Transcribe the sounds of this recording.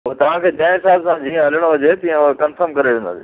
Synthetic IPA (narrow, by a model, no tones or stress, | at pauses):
ot̪ɐʋ̤ãkʰeːd͡ʑãɪ̃ɪsaːlsãd͡ʑiːẽɦɐlɪɽ̃oɦʊd͡ʑet̪ĩẽkɐnfəɾmkɐɾeʋẽːnd̪a̰se